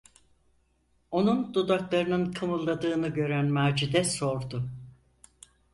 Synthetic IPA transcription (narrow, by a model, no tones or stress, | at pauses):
o̞nund̪ud̪aklˠaɾɯnɯnkʰɯmɯlˠːad̪ɯːnɯɟø̞ɾænmaːd͡ʒid̪ɛso̞ɾd̪ʊ